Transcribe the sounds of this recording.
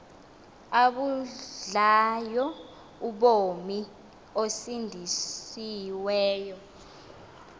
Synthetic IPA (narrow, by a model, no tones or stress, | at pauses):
aɓuɮajɔ | uɓomi | osindʱisiwɛːjɔ